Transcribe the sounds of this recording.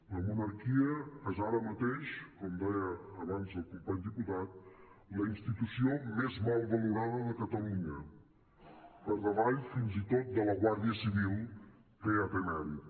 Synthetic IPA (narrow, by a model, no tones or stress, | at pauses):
ləmunəɾkiəɛzaɾəmət̪eʃkɔmd̪ɛjəːβanzəlˠkumpaɲd̪iput̪at̪̚ | ləinst̪it̪usiomezmɔlˠβəluɾaðəðəkət̪əluɲə | pəɾðəβaʎfinzit̪ot̪̚d̪ələɣwaɾðiəsiβ̞ilˠ | peəpemɛl